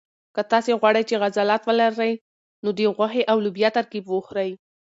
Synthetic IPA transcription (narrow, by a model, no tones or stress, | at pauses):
kət̪ɑseɣwɑɽajt͡ʃeɣazalat̪wəlaɾaj | nod̪eɣwaxeʔawlʊbjat̪aɾkibwəxɾaj